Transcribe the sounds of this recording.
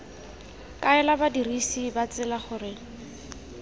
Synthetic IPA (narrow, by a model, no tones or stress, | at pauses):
kʼaɛlabadirisibat͡sɪlaχʊːrɪ